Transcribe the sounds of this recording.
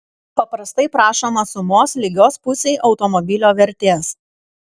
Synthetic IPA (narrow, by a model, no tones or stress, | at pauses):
pɐpɾɐst̪ɐɪpɾɑːʃoːmɐsʊmoːslʲɪɡʲoːspʊsʲɛɪʔɒʊt̪ɔmɔbʲɪlʲoːʋʲɛɾʲt̪ʲeːs